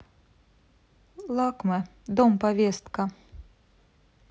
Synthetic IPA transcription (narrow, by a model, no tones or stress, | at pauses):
lˠɑkmɛ | d̪ompɐvʲest̪ka